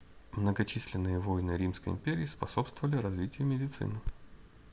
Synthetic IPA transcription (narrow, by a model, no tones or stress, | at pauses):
mnəɡɐt͡ɕisʲlʲɪnːɨjəvojnɨɾʲimskəjɪ̰mpʲeɾʲɪːspɐso̞pst̪vəvəlʲɪɾɐzvʲitʲɪjəmʲɪdʲɪt̪sɨ̰nɨ